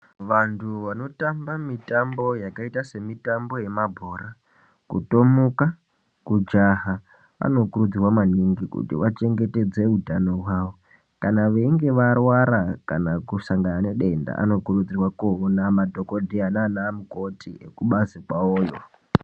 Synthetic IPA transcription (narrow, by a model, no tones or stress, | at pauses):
ʋantʰuʋano̞tambamitambo̞jakaitase̞mitambo̞je̞mabʱo̞ːɾa | kuto̞muka | kud͡ʒaɦa | ʋa̰no̞kuɾud͡zirwamaniŋɡikṵtḭʋat͡ʃe̞ŋɡe̞te̞d͡ze̞utano̞waːʋo̞ | kanaʋe̞iŋɡe̞ʋarwaɾakanakusaŋɡanane̞ɗe̞nda̰a̰no̞kurud͡zirwakuonamadʱo̞ko̞dʱiananaːmuko̞tiḛkuɓazikwaoːjo̰